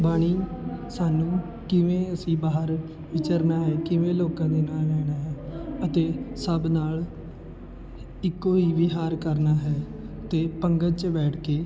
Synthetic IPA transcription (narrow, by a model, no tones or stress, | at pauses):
baːɽ̃iːsaːnũː | kɪʋẽːəsĩːbaːɦəɾ | ʋɪt͡ʃəɾnaːɦɛːkɪʋẽːloːkãːd̪eːnaːllɛːɽ̃aːɦɛːət̪eːsəbnaːl | ɪkːoːiːʋɪɦaːɾkəɾnaːɦɛː | t̪eːpəŋɡət͡ʃbɛːʈʰkeː